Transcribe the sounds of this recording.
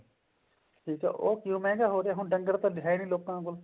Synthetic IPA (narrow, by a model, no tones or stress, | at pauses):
ʈʰiːkḛoːkjũːmẽːɡaːɦoːɾaɦũːɖə̃ŋɡəɾt̪oːlɪɦaːinĩːloːkãːɡʊl